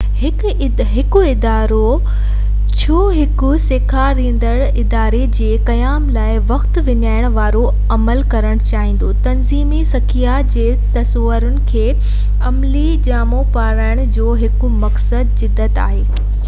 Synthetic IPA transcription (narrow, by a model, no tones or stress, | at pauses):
ɦɪ | ɦɪkʊɪd̪aːɾo | t͡ɕʰoːɦɪkʊseːkʰaɾĩːn̆d̪əɽɪd̪aːɾed͡ʑeːkɐjaːmlaːɪʋɐxt̪ʋɪɲaːɪɽ̃ʋaːɾo | ɐməlkɐɾəɽ̃t͡ɕaːɦɪ̃ːn̆d̪ot̪ɐnziːmisɐkʰijad͡ʑeː | t̪ɐsoʋəɾʊnɪ̆kʰeː | ɐmlid͡ʑaːmopaːɾaːɪɽ̃ʊd͡ʑoːɦɪkʊ̆mɐksəd̪sɪd̪ːət̪a̰ːɦeː